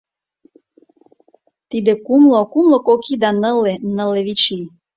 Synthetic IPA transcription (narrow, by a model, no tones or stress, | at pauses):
t̪id̪ekumlokumlokokid̪ɑnəlenə̆leβit͡ɕi